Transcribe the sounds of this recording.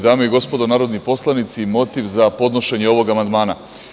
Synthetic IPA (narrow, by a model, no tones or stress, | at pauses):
d̪aːmoiɡo̞spo̞d̪o̞naːɾo̞d̪nipo̞slˠanit̪simo̞t̪iʋzapo̞d̪noʃe̞ɲeo̞ʋo̞ɡamand̪maːna